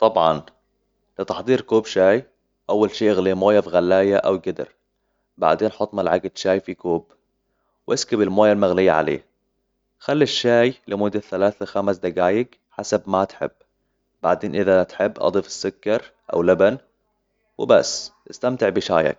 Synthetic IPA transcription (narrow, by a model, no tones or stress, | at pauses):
t̪ˤɑbʕɑn | lɪt̪ɑħd̪ˤiːɾkoːbʃaːj | ʔawːalʃiːʔɪɣlimoːjafiɣalːaːjaʔawɡɪd̪ɪ̰ɾ | ba̰ʕd̪eːnħɑt̪ˤːmalʕaɡad̪ʃaːjfikoːb | wʔɪskɪbɪlmoːjalmaɣlɪjːa̰ʕa̰lḛː | xalːiʃːaːjlɪmʊd̪ːaθalaːθaxamsd̪aɡaːjɪɡ | ħasabmat̪ħɪ̰bː | ba̰ʕd̪eːnʔɪðat̪ħɪbːʔɑ̰d̪ˤiːfɪ̥sːʊkːɑɾˤ | ʔa̰wlaban | wɪba̰sːʔɪst̪amt̪ɪʕbɪʃa̰ːja̰k̚